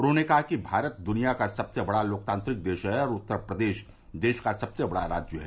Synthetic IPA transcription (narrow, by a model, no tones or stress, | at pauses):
ʊnɦõnekɐɦakibʱaːɾət̪̚d̪ʊnijakasɐbsebɐɽaloːk̚t̪ãːnt̪ɾɪk̚d̪eːʃɦɛɔːɾʊt̪ːəɾpɾəd̪eːʃ | d̪eːʃkasɐbsebɐɽaɾa̰ːd͡ʒjəɦɛː